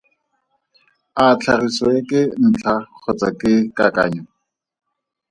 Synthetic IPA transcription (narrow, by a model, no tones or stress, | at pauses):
at͡ɬʰarisɔekʼɪn̩t͡ɬʰaq͡χʰɔt͡sakʼɪkaka̰ːɲɔ